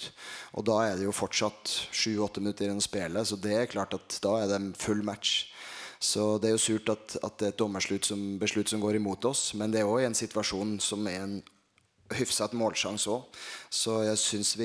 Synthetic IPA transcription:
ʔɔ̰d̪ɑːæɖɛjʊfɔʈʂɑt̪ʂʉːɔt̪ːəmɪnʉt̪ːəɾɪnːɔspeːləsɔd̪ɛæɾkʰlɑːʈɑt̪d̪̥ɑːæɖ̪ɛnfʉlːmæt̪ʂ | sɔd̪ɛæɾjʊsʉːʈɑt̪ɑ̰t̪̚d̪ɛæɾɛt̪̚d̪ɔmːəʂɭʉt̪ːsɔmbəʂɭʉt̪ːsɔmɡoːɾɪmuːt̪ɔsmɛnd̪ɛæɾjɔɪɛnsɪt̪ʋɑʂuːnsɔmæɾɛn | hʏfsɑt̪ːmoːlʂɑŋsɔsɔjæɪsʏnsʋɪ

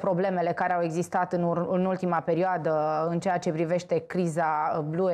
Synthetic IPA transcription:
pɾo̞ble̞me̞le̞kaɾeawe̞ɡzist̪at̪ɨnnult̪imape̞ɾioad̪əɨnt͡ʃeat͡ʃe̞pɾive̞ʃt̪e̞kɾizablue

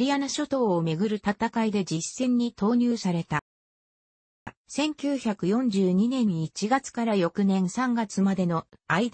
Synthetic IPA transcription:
ɾʲianaɕo̞t̪o̞ːme̞ɡɯ̟ɾɯ̟t̪at̪akaid̪e̞d͡ʑisːẽ̞ɲ̟ːit̪o̞ːɲ̟ʲɨːsaɾe̞t̪a | sẽ̞ŋkʲɨːçakɯ̟jõ̞ɲ̟d͡ʑɨːɲ̟inẽ̞ɲ̟ːiːt͡ɕiɡat͡sɨ̥kaɾajo̞kɯ̟nẽ̞ɰ̃sãŋɡat͡sɨmad̪e̞no̞aid̪

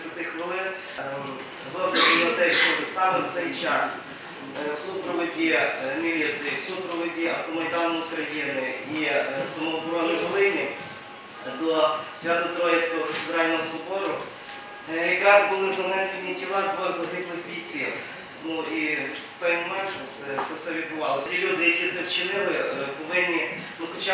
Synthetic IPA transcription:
sʲʋʲɐt̪ɪxʋɪlˠɪn | zɔbnɐnɪlˠɐt̪ɛʃt͡ʃɔʋɪsɑmɪwt̪sɛjt͡ʃɑs | supɾɔʋɪdʲineʋʲiɐsʲɛjsupɾɔʋɪdʲiɐwt̪ɔmɔɾʲɪd̪ɑlɔjʊkɾɐjinɪisɐmɔɔxɔɾɔnɪɦɔlˠɪnʲɪ | d̪ɔsʲjʲat̪ɔt̪ɾɔjɪsʲkɔɦɔfed̪ɾɑlʲnɔɦɔsʊbɔɾʊ | jɐkɾɑzbʊlˠɪzɐnɛsenʲːitʲiʋˠɑt̪ʋɔzɐɦ̪ɪplˠɪxbʲit͡sʲilˠ | nuit̪sɛjmɔmɛnʒɔsɛt̪sɛwsɛʋʲid̪̚bʊʋɑlˠɔsʲilʲud̪ɪjɐkʲit̪sɛwt͡ʃɪnɪlˠɪpɔʋɪnʲːi | nuxɔt͡ʃa

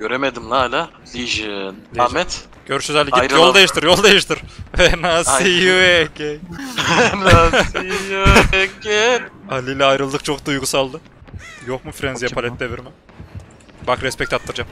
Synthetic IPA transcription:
ɟøɾemed̪imlalʲa | d̪ijiʒinʲamɛt̪ | ɟ̥øɾyʃøzɛlʲiiɾjolˠd̪ajɯʃt̪ɯɾjo̞lˠd̪ejɯʃt̪ʰɯɾ̥vɛnasijɯɛkej | nasjekɪalʲilʲɛajɾɯlˠd̪ɯk̚t͡ʃʰo̞k̚d̪ujɡusalˠd̪ɯ | jokmufɾɛnzjapʰalʲɛt̪̚ːd̪eviɾmɪ | bakɾɛspɛc̚t̪ʰat̪ːɯɾd͡ʒam

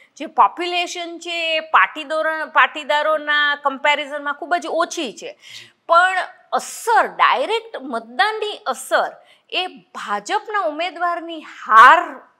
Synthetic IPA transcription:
d͡ʒepɔpjuleʃənt͡ʃʰeːpaʈid̪oɾpaʈid̪aɾonakəmpeɾizənmãkʰubəd͡ʒot͡ʃʰit͡ʃʰe | pəɳ | əsəɾɖa̰jɾekʈmət̪̚d̪anːiʔəsəɾ | ebʱad͡ʒəpnaumed̪ʋaɾnihaɾ

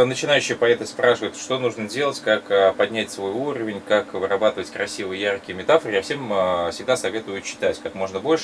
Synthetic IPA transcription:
nət͡ɕɪnajʉɕːɪjpɐɛt̪əspɾaʂɨvəjɪt̪ʂt̪o̞nuʐnədʲe̞lˠətʲkakəpɐdʲnʲætʲsvo̞juɾəvʲɪnʲkakvɨɾɐbat̪ɨvətʲkɾɐsʲivɨjəjarkʲɪjəmʲɪt̪afərɨjafsʲemfsʲɪɡ̚d̪asɐvʲe̞t̪ʊjʊt͡ɕːɪ̥t̪atʲkakmo̞ʐnəbo̞lʲʂ

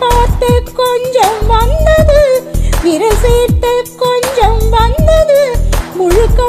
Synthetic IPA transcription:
paːt̪ːɐkɔɲd͡ʒɐmʋɐnd̪ɐðɯʋɪɾɐseːɾt̪ːɐkɔɲd͡ʒɐmʋɐnd̪ɐðɯmʊɻʊkːɐ

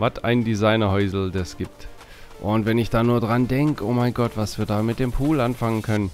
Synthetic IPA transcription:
vatʰʔa̰ɪnndizaɪnɐhɔʏzl̩dɛsɡ̥iːp̚t | ʔʊntvɛnɪçd̥aːnuːɐdʁandɛŋkəʔoːmaɪnɡɔtv̥asv̥iːɐdaːmɪt̚d̥eːmpʰuːlʔanfaŋənkʰœnən

